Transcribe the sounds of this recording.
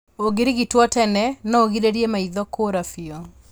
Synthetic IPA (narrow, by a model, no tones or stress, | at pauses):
oɡɪɾiɡitwɔtɛnɛnɔoɡideɾjemaiðɔkoɾafiɔ